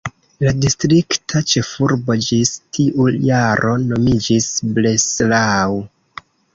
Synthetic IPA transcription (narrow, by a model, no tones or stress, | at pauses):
ladistɾiktʰat͡ʃe̞fuɾbo̞d͡ʒistʰiʔujaɾʔo̞no̞mid͡ʒisbleslaw